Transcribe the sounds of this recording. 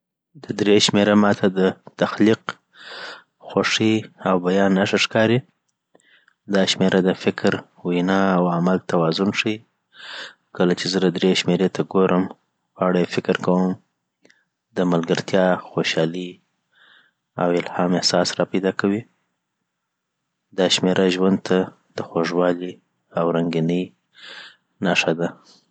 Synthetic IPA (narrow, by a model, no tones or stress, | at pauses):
d̪əd̪ɾeʃmeɾamɑt̪ʰad̪ət̪axliq | xoʂiawbajɑnːaʂəʂkɑɾi | d̪ɑʃmeɾʔad̪əfɪkɾ | winɑawamalt̪awɑzʊnʂi | kəlat͡ʃezədad̪ɾeʃmeɾet̪ʰaɡoɾʔəm | ɣɑɽajefɪkɾkawəm | d̪əmalɡaɾt̪jɑxoʃɑli | a̰wɪlhɑmɪhsɑsɾɑpajd̪ɑkawi | d̪ɑʃmeɾʔaʒwand̪̚t̪ʰa | d̪̥əxoʐwɑli | awɾaŋɡinəj | naʂad̪a